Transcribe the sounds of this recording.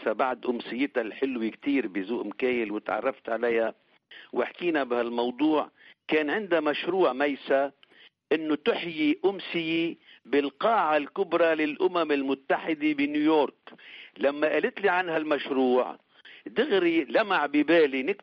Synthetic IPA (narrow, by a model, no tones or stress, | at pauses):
sabaʕd̪ʔʊmsɪjːɪt̪alħɪlwikt̪iːɾbɪzuːʔɪmkeːjɪlwɪt̪ʕɑ̰rˤːɑft̪ʕalaja | wʔɪ̰ħkiːnabɪhalmɑwd̪ˤuːʕkeːnʕɪnd̪amaʃɾuːʕmajsa | ʔɪnːʊt̪ɪħjiʔʊmsɪjibɪlqɑːʕalkʊbɾˤalɪlʔʊmamɪlmʊt̪ːaħɪd̪ebɪnjujoːɾklamːaʔɪlɪt̪liʕanhalmaʃɾuːʕ | t̪ɪɣɾilamaʕbibeːlinɪk